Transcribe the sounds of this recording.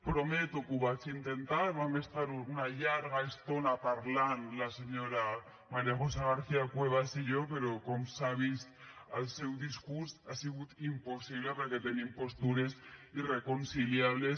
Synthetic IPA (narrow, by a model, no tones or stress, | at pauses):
pɾomet̪okuβat͡sint̪ent̪aɾβamest̪aɾunaʎaɾɣaest̪onapaɾlanlaseɲoɾa | maɾjaɣos̬aɣaɾθiakweβ̞asiʝopeɾokomsaβ̞ist̪alsewðiskuɾsasiɣut̪imposiβ̞lepeɾket̪enimpo̞st̪uɾesirekonsiljaβles